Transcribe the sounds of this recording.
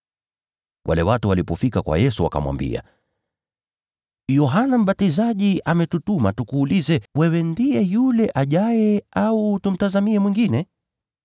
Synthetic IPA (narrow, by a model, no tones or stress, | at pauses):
wʔa̰lɛwatuwalipɔfikakwa̰jɛsuwa̰ka̰mwa̰mbḭa̰ | jɔɦanam̩ɓatizaʄiʔamɛtutumatukuːlizɛwɛwɛndijɛjulɛʔaʄajɛʔautum̩tazamiɛmwiŋɡinɛ